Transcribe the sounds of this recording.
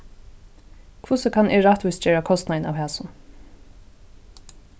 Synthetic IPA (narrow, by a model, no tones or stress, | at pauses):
kʰvʊsɛkʰanɛɹaht̪ʋʊs̚d͡ʒɛːɹakʰɔst̪naɪna̰wɦɛːsʊn